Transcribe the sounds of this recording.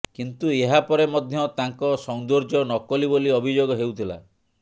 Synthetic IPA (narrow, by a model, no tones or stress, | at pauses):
kint̪ueɦapɔɾemɔd̪ʱjɔt̪aŋkɔsɔŋd̪oɾd͡ʒɔnɔkɔliboliɔbʱid͡ʒoɡɔɦewt̪ʰila̰